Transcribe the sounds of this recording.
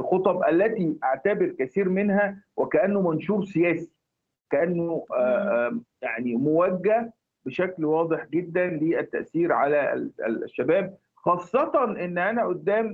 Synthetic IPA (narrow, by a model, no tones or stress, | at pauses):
lxot̪ˤɑbʔælːæt̪iʔaʕt̪æbeɾkæθiːɾmenhæwʔækæʔænːomænʃuːɾsejæːsi̥ | kæʔænːo | jaʕnimowæɡːæ | beʃæklwɑːd̪ˤeħɡed̪ːænleːʔæt̪ːæ̰ʔsiːɾʕalæ̰ʃːæbæːb̚ | xɑːsˤːɑt̪ˤɑnʔenːʔænæʔod̪ːæːm